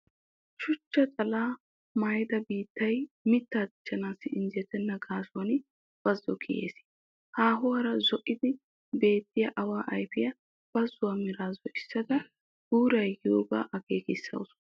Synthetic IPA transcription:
ʃʊt͡ʃːɐt͡sʼɐlaː | majd̪ɐbiːt̪ːɐjmɪt̪ːaːd̪ɪt͡ʃːɐnaːsːɪɪnzɛt̪ːɛnːɐɡaːsʊwɐnɪ | b̥ɐzːɔkʰɪjḛːs | haːɦʊwɐɾɐzɔʔɪd̪ɪ | be̞ːt̪ːɪjɐʔɐwaːʔɐjfɪjɐ | b̥ɐzːʊwɐmɪɾaːzɔʔɪsːɐd̪ɐ | ɡ̥uːɾɐjjoːɡa̰ʔɐkeːkɪsːɐ̰wʊsʊ̥

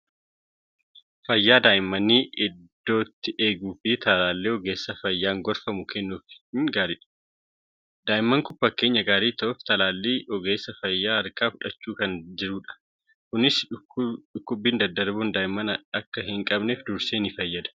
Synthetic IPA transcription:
fɐjːaːd̪aːʔɪmːɐnːiːʔɪd̪ːo̞ːt̪ːɪʔe̞ːɡuːfɪt̪ɐlaːlːeːɔɡe̞ːsːɐfɐjːaːŋɡɔɾfɐmʊkʰɛnːuːfŋɡaːɾɪᶑɐ̥ | d̪̥aːʔɪmːɐŋkʊpːɐke̞ːɲːɐɡaːɾiːt̪ɐʔʊft̪ɐlaːlːeːɔɡe̞ːsːɐfɐjːaːɐɾkaːfʊᶑɐt͡ʃːuːkɐnd͡ʒɪɾuːᶑɐ̥ | kʊnɪs | ᶑʊkːʊbːiːnd̪ɐd̪ːɐɾbuːnd̪aːʔɪmːɐnɐkːɐhɪŋkʼɐbneːfd̪ʊɾseːnɪfɐjːɐd̪ɐ̥

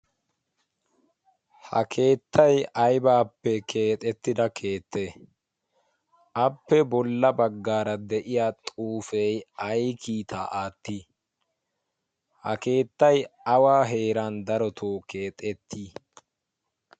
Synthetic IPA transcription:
hɐ̰kʰe̞ːt̪ʰːɐjʔɐjbaːpːɛkʰe̞ːt̪ʼɛt̪ːɪd̪ɐkʰe̞ːt̪ːeː | ɐpːɛbɔlːɐbɐɡːaːɾɐd̪ɛʔɪjaːt̪ʼuːfɛjɐjkʰiːt̪ʰa̰ːʔaːt̪ːi | hɐ̰ke̞ːt̪ːɐjɐwaːɦe̞ːɾand̪ɐɾɔt̪ʰoːkʰeːt̪ʼɛt̪ʰːiː

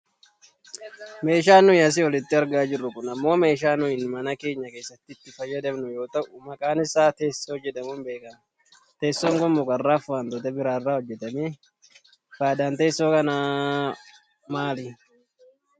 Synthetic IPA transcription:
me̞ːʃ̬aːnːʊɪɐs̬ɪɔlɪt̪ːɪɐɾɡaːd͡ʒɪrːʊkʊnɐmːo̞ːme̞ːʃ̬aːnʊɪnmɐnɐke̞ːɲːɐke̞ːsːɐt̪ːɪt̪ːɪfɐjːɐd̪ɛbnʊjo̞ːt̪ɐʊmɐkʼaːnɪsaːt̪e̞ːsːoɔd͡ʒːɛᶑɐmʊmbe̞ːkɐn | t̪e̞ːsːɔŋɡɔmːʊkʼɐrːaːfʊɐnt̪ɔt̪ɛbɪɾaːrːaːhɔd͡ʒːɛt̪ɐme | faːd̪aːnt̪eːɪsːoːkɐna | maːlɪ

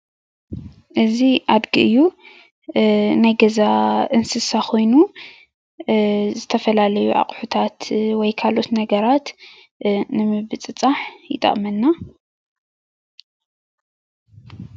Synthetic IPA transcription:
ʔɨziʔad̪ɡiʔɨjːu | najɡɐzaʔɨnsɨsakʰo̞jnu | zɨt̪ʰɐfɐlalɐjuʔa̰qʼħut̪ʰat̪wɔjkʰalo̞t̪nɐɡɐɾat̪ | nɨmɨbɨt͡sʼɨt͡sʼaħjɪt̪ʼɐ̰ʔʼmɐnːa

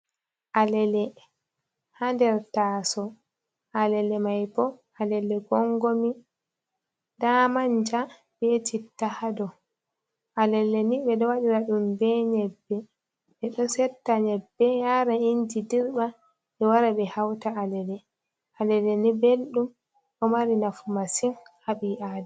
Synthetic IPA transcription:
ʔalɛlɛ | handɛɾtaːsɔ | ʔalɛlɛmajpɔ | alɛlɛɡɔŋɡomi | daːmaɲd͡ʒa | betʰitːahadɔ | ʔalɛlːɛniɓɛdɔwaɗiɾaɗumbɛɲɛbːɛ | ɛɗɔsɛtːaɲɛbːɛjaɾaind͡ʒidiɾba | ɛwaɾabɛhawtaalɛlɛ | ʔalɛlɛnibelɗum | ɗɔmaɾinafumasinhabiʔadɛ

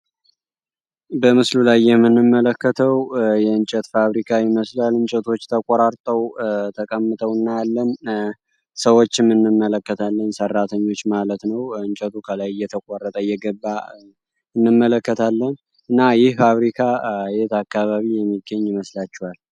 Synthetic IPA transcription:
bəmɨslulajːɛmːɨnːɨmːələkːət̪ʰəwjɛɨnt͡ʃʼɛt̪faβɾikʰajɪməslalɨnt͡ʃʼɛt̪ʰo̞t͡ʃːt̪ʰəkʼaɾaɾt̪ʼəwt̪ʰəkʼəmːɨt̪ʼəwɨnːajalːən | səwo̞t͡ʃːɪmːɨnːɨmːələkːət̪ʰalːənsərːat̪ʰəɲːo̞t͡ʃːmalət̪nəwɨnt͡ʃʼɛt̪ʰukʰəlajjːɛt̪ʰəkʼaɾːət̪ʼəjɛɡəbːa | ɨnːɨmːələkːət̪ʰalːən | ɨnːajɪhfaβɾikʰajet̪akːaβaβijɛmːiɡːəɲːɪməslat͡ʃːɛwal

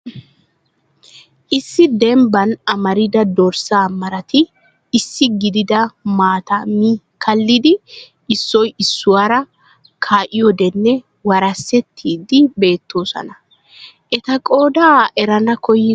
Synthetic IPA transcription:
ʔɪsːɪd̪ɛmbɐnɐmɐɾɪd̪ɐd̪ɔɾsaːmɐɾɐt̪ɪː | sːɪɡɪd̪ɪd̪ɐmaːt̪ɐmi | kɐlːɪd̪ɪ | ɪsːɔjɪsːʊwaːɾɐ | kʰaːʔɪjɔd̪ɛnːɛ | wɐɾɐsːɛt̪ʰːiːd̪ɪbe̞ːt̪ːoːsɔ̰nɐ | ʔɛt̪ɐkʼo̞ːd̪aːʔɛɾɐnɐkɔjɪ

